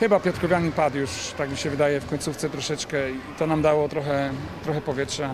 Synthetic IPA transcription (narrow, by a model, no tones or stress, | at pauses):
xɘbapʲjɔt̪ɾɔvʲjaɲipat̪juʂt̪akmʲiɕɛvɘd̪ajɛfkɔɲʲtsuft̪sɛt̪ɾɔʂɛt͡ʂkɛit̪ɔnamd̪awɔt̪ɾɔxɛt̪ɾɔxɛpɔvʲjɛtʂa